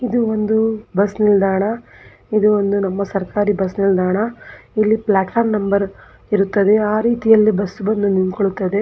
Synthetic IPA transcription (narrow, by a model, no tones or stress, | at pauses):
id̪uo̞nd̪ubɐsnild̪ʱaːɳɐ | id̪uond̪unɐmːɐsɐɾkaːɾibɐsnild̪aːɳɐilːiplaːʈpʰaːɾmnɐmbɐɾ | iɾut̪ːɐd̪e̞aːɾiːt̪ijɐlːibɐsːbɐnd̪uninkoɭut̪ːɐd̪e̞